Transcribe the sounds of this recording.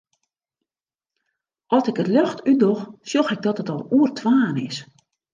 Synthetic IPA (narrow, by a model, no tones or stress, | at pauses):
ʔɔsɪkətløxtydoxsjoxɛɡ̚dɔtətɔlˠuərtʰʋaːnɪs